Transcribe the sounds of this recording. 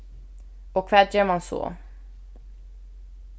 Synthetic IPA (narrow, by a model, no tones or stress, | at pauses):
ɔkʰːvɛt̪jœːɾmansɔ̰